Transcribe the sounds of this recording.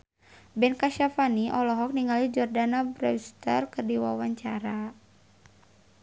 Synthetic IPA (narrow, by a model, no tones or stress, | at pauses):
bɛnkaʃafaniʔɔlɔɦɔk̚niŋalid͡ʒɔrdanabɾɛust̪ə̰rkərdiwawaɲt͡ʃaɾa